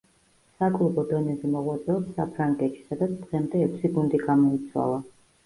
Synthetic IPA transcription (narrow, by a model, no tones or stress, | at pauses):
sakʼlˠubɔd̪ɔnɛzɛmɔʁwat̪sʼɛɔpsa̰pʰɾaŋɡʼɛt̪ʃi̥sad̪at̪sʰd̪̥ʁɛmd̪ɛːkʰʷsiɡund̪iɡamɔit̪sʰwa̰lˠa